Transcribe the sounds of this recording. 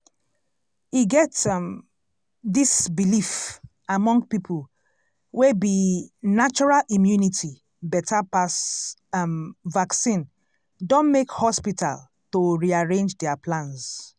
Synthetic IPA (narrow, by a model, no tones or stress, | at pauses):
iɡɛtm | disbilif | amɔ̃ŋɡpipʰəl | webinat͡ʃɔɹalʔĩmjunitʰi | bɛtʰapas | vaksĩn | dõnmekhɔspitʰa̰l | toɹiaɹẽnd͡ʒdɛaplãns